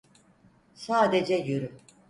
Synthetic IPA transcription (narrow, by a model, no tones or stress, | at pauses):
saːd̪ed͡ʒɛjøɾy